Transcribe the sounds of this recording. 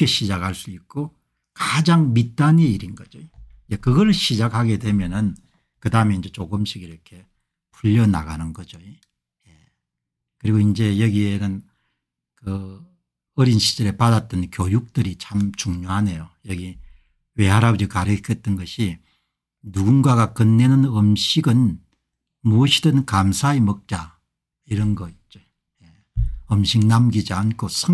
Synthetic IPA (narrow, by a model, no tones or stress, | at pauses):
keɕʰid͡ʑakhaɭs͈uik̚k͈o | kad͡ʑaŋmit͈aɲeiɾinɡʌd͡ʑo | jekɯɡʌɾɯɭɕid͡ʑakhaɡe̞dwe̞mjʌnɯn | kɯdaɯmeind͡ʑe̞t͡ɕoɡɯmɕʰiɡiɾʌkʰe̞ | pʰuʎːʌna̰ɡanɯnɡʌd͡ʑoi | je | kɯɾiɡoind͡ʑe̞jʌɡienɯn | kɯ | ʌɾinɕʰi̥d͡ʑɯɾepadat͈̚ɯnkjojuk̚t͈ɯɾit͡ɕʰamt͡ɕuŋɲoɦane̞jojʌɡi | we̞ɦaɾabud͡ʑikaɾɯkʰʌt͈̚ɯnɡʌɕʰi | nuɡunɡaɡakɯnːenɯnɯmɕʰiɡɯn | moɕʰidɯnkamsʰaemʌk̚t͡ɕ͈a | iɾʌnɡʌit͡ɕ͈o | je | ʌmɕʰiknamɡid͡ʑiankʰosʰɯ